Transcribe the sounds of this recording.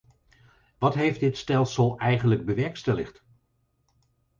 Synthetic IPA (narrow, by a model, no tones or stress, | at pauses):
ʋɑtɦejfdɪtstɛlˠsəlˠɛjχənləɡ̚bəʋɛɹkstɛlɪχt